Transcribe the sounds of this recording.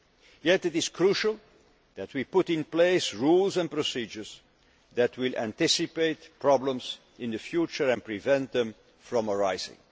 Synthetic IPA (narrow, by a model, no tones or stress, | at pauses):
jɛtɨtɪz̥kʰɹuʃəlˠ | ðæt̚ʰwipʊɾɪ̃npleɪsɹulˠzɛ̃n̚pɹɔsid͡ʒə˞z | ðæt̚ʰwɪlˠʔæ̰̃ntɪsɨpeɪtpʰɹɑblə̃mz | ɪ̃nðɨfjut͡ʃə˞ɛ̃npɹivɛ̃nt̪̚ðɛ̃m | fɹɔ̃məɹaɪzɪ̰̃ŋ